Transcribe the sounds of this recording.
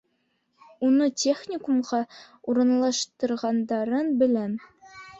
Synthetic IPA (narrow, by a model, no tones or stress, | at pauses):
unɤtʲʰeχnʲɪkumʁɑ | uɾɤ̆nlˠɑʃt̪ɤ̆ɾʁɑnd̪ɑɾɤnbɘ̆læn